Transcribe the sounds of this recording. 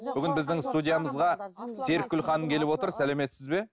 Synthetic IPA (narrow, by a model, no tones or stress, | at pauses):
b̥ʏɡʲɪnbɪzd̪ɪŋst̪udʲijaməzʁɑse̞ɾkʲːʏlχɑnəŋkʲʰe̞lɪpwo̞t̪əɾsæleme̞t̪sɪzbe̞